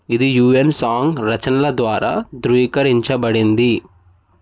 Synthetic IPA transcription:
id̪ijuːensaːŋɡɾɐt͡ʃɐnɐlɐd̪ʋaːɾa̰ːd̪ɾuːkɐɾiɲt͡ʃɐbɐɽind̪i

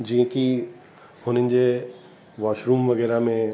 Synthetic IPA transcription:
d͡ʑĩːə̃ki | hʊn̤ənɪ̆d͡ʑeː | ʋaːʃɾuːmʋɐɣɛːɾamẽ

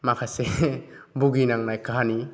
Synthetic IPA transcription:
makʰase | buɡinaŋnajkaɦani

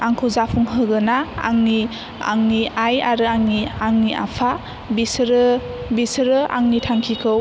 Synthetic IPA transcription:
aŋkʰɯwzapʰuŋɦɯɡɯnaa̰ŋni | a̰ŋniajaɾɯaŋniaŋniʔa̰pʰa | bisɾɯbisɾɯʔa̰ŋnitʰaŋkʰikʰɯw

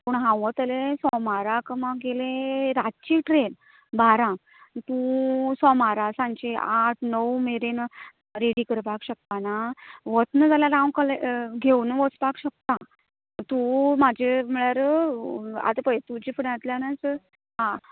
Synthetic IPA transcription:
pəɳɦãwʋət̪əlesɔmaɾakəmaɡelẽɾat͡ɕiʈɾen | baɾã | t̪ũsɔmaɾasãɲt͡ɕeaʈʰnəwmeɾen | ɾeɽikəɾpakɕək̚t̪anaʋət͡s̪nəd͡zaljaɾãwkəleɡʱewnʋət͡spakɕək̚t̪a | t̪umad͡ʑʱem̤əɭjaɾə | a̰t̪əpəjt̪ud͡ʑipʰəɳat̪ljanat͡s | ɦã

